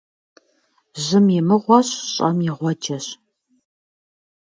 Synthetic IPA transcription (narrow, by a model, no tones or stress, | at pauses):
ʑɪmjɛmɨʁʷɔɕɕʼɐmjɪʁʷɔd͡ʒɐɕ